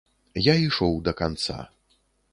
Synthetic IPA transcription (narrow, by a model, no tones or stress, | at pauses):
jaiʂɔwd̪ɐkant̪sa̰